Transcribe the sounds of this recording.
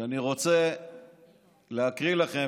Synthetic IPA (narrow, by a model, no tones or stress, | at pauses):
aniʁo̞t͡se̞ | leakʁilaχe̞